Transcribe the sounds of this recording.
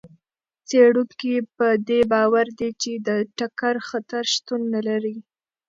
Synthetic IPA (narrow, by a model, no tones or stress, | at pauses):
t͡seɽukipəd̪ebɑwaɾd̪et͡ʃed̪əʈakaɾxat̪aɾʃt̪unːalaɾi